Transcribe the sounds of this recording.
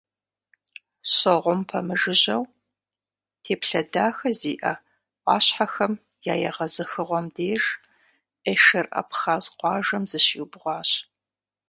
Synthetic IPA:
ɕɐʁʷʊmpʰɐmɨʒɨʑɐw | tʰeːpɬɐdaːxɐziːʔɐ | ʔʷɑ̰ːɕħaxɐm | jaːjɐʁɐzɨxɨʁʷɔmdeːʒ | ʔeːʃɐrʔɐ̰pχaːzqʷɑːʒɐmzɨɕiːwbʁʷɑːɕ

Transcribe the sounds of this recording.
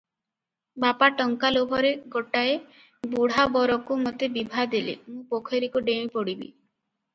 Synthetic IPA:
bapaʈɔŋkalobʱɔɾeɡoʈae | buɽ̤abɔɾɔkumot̪ebibʱad̪elḛmũpokʰeɾikuɖew̃ĩpɔɽibḭ

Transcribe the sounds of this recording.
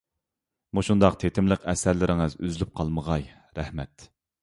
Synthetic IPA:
muʃund̪ɑqt̪ʰet̪ʰɪmləqɛsæɾlɪɾɪŋɨzy̰zylyp̚qʰɑlˠməʁɑj | ɾɛhmɛt̪

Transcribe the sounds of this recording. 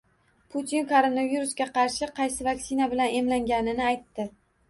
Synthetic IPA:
pʰʊt̪ʰinkʰoɾonaviɾusɡʲaqʰɑɾʃɪqʰɑjsɪvakʲsɪnabɪlane̞mlaŋɡʲanɪnɪajt̪ːɪ

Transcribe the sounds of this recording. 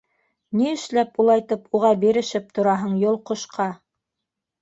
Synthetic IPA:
niɘ̆ʃlæpulˠɑjt̪ɤpuʁɑbiɾɘ̆ʃɘp̚t̪ŏɾɑɦɤɴjŏlˠqŏʃqʰɑ

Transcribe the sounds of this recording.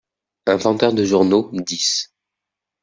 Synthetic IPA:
ɛ̃vɑ̃t̪œʁd̪əʒuʁnod̪is

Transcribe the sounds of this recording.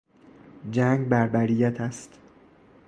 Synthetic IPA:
d͡ʒæŋɡbæɾbæɾijæt̪ʰæst̪

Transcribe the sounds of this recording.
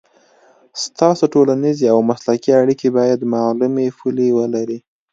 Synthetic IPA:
st̪ɑsoʈolanizeawmaslakiaɽikebɑjad̪malumefulewəlaɾi

